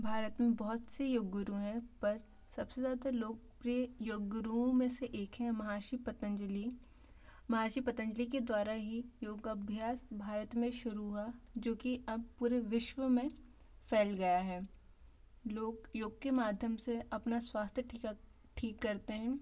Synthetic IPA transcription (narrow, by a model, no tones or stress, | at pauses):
bʱaːɾət̪mẽbɔɦʊt̪sejoːɡʊɾuɦɛ̃pɐɾ | sɐbsezjaːd̪aloːɡ̚pɾiəjoːɡɾuõmẽseʔeːkɦɛ̃mɐɦaːʃipət̪ə̃d͡ʒli | mɐɦaːʃipɐt̪ə̃ɲd͡ʒlik̬ed̪waːɾaɦijoːɡɐbʱjaːsbʱaːɾət̪mẽʃʊɾuɦad͡ʒoːkiɐb̚puːɾeʋɪʃʋəmẽ | fɛːlɡɐjaɦɛː | loːɡjoːɡ̚kemaːd̪ʱjəmseʔɐpnaswaːst̪ʰjəʈʰi | ʈʰiːkːɐɾt̪eɦɛ̃ː